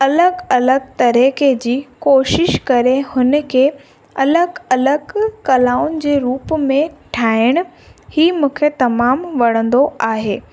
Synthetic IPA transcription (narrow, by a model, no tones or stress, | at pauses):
ɐləɡɐləɡ̚t̪ɐɾeked͡ʑiːkoːʃɪʃkɐɾehʊnə̆kʰeː | ɐləɡɐləɡkɐlaːʊnɪ̆d͡ʑeːɾuːpmẽʈʰaːɪɽ̃ʊ̆ | hiːmũːkʰet̪ɐmaːmʋɐɽ̃ə̃nd̪oaːɦeː